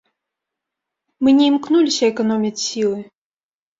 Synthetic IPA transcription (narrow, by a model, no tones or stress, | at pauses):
mɨnʲɛimknulʲisʲɐɛkɐnɔmʲit͡ssʲilˠɨ